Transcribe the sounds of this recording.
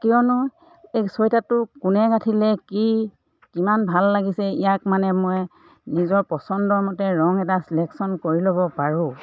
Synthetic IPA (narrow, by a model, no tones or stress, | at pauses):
kijɔnɔ | esɔjtatʊkʊnɛkatʰilɛki | kimanbʱalːaɡisɛijakmanɛmoj | nizɔɹpɔsɔndɔɹmɔtɛɹɔŋɛtasilɛksɔnkoɹiloβɔpaɹʊ̃